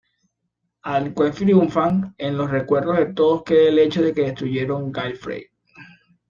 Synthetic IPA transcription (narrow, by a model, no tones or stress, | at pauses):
aŋkweɱfɾiuɱfaŋenlo̞sre̞kwe̞ɾðo̞ɦðet̪oðoskeðeele̞t͡ʃoðe̞ke̞ðest̪ɾuʝe̞ɾo̞ŋɡajfɾḛj